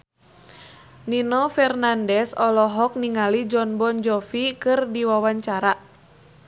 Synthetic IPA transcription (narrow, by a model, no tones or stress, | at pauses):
ninɔfɛrnandɛsɔlɔɦɔk̚niŋalid͡ʒɔnbɔnd͡ʒɔfikɨrdiwawaɲt͡ʃaɾa